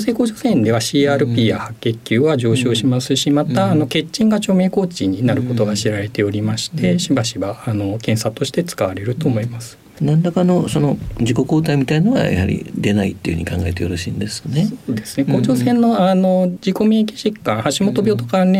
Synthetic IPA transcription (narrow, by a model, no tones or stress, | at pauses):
se̞ːkoːʑo̞sẽ̞nd̪e̞βaɕiːaːɾɯ̟pʲiːjahakʲːe̞kʲːɨːβaʑo̞ːɕo̞ːɕimasɨɕimat̪aːno̞ke̞t͡ɕːĩŋɡat͡ɕo̞ːme̞ːko̞ːt͡ɕiɲ̟inaɾɯ̟ko̞t̪o̞ɡaɕiɾaɾe̞t̪e̞o̞ɾʲimaɕi̥t̪ʰe̞ɕibaɕibaːno̞kẽ̞ɰ̃sat̪o̞ɕi̥t̪e̞t͡sɨ̥kaβaɾe̞ɾɯ̟t̪o̞ːmo̞imasɨ̥ | nãnd̪akano̞so̞no̞d͡ʑiko̞ko̞ːt̪aimʲit̪ainoɡa̰ja̰ha̰ɾʲḭd̪e̞naḭt̪ːeiɯ̟hɯ̟ɲikã̰ŋɡaet̪eoɾoɕḭ̃ːnd̪esnesoːd̪e̞sɨ̥ne̞ko̞ːd͡ʑo̞sẽ̞nːo̞ano̞d͡ʑiko̞me̞ːkʲi̥ʑikːãɰ̃haɕimo̞t̪o̞bʲo̞ːt̪o̞̥kane